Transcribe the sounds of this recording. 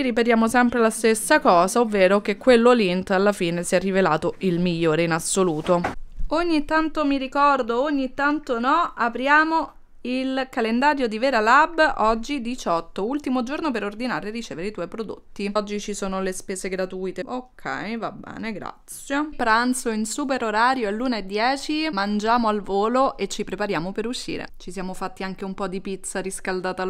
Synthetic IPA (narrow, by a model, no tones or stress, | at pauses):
iriped̪jaːmosɛmpɾelast̪esːakɔːzaovːeːɾokekːwelːolint̪alːafiːnesiɛrːivela̰ːt̪oʔilmiʎːoːɾeinasːoluːt̪ooɲːit̪ːant̪omiɾikɔrd̪ooɲːit̪ːant̪onɔapɾjaːmo | ilkalend̪aːɾjod̪ivɛːɾalabɔd͡ʒːid̪it͡ʃɔt̪ːoult̪imod͡ʒornopeɾord̪inaːɾerːit͡ʃeːveɾeit̪wɔjpɾod̪o̰t̪ːiɔd͡ʒːit͡ʃisoːnolespeːzeɡɾat̪ujt̪eokʰːɛ̰jvabːɛ̰ːneɡɾa̰t̪sːjepɾant̪soinsuːpeɾoɾaːɾjoelːuːnaed̪ːjɛːt͡ʃimand͡ʒaːmoalvoːloʔet͡ʃːipɾepaɾjaːmopeɾuʃːḭːɾḛt͡ʃisjaːmofat̪ːiaŋk̟eumpɔd̪ipit̪saɾiskald̪aːt̪a